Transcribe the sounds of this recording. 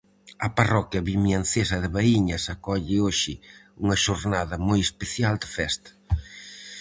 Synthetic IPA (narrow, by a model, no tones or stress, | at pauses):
ɐparɔkjɐβimjanθesɐðɪβaiɲɐsakɔʎɪoʃɪ | uŋɐʃoɾnaðɐmojespeθjald̪ɪfɛst̪ɐ̥